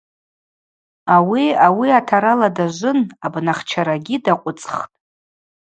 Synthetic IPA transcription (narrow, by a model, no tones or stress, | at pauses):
awiawiatʰaɾaladaʒʷʊnabnaχt͡ʃʰaɾaɡʲidaqʷʼʊt͡sʼχtʼ